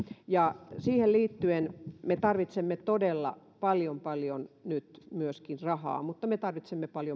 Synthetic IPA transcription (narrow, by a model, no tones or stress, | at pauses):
jɑsiːhelliːt̪ːyenmet̪ɑrʋit̪semːet̪odelːɑ̰ | pɑljompɑljonnyt̪myøskinrɑhɑ̰ːmut̪ːɑmet̪ɑrʋit̪semːepɑljo